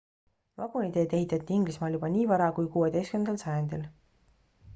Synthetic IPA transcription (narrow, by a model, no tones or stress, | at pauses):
vɑɡ̥unid̪e̞ːd̪e̞ɦit̪ːˑɑt̪ʲːˑiiŋɡ̥lismɑːljubɑniːvɑɾɑkujkuːe̞d̪̥e̞jskymnd̪ɑlsɑjɑnd̪̥il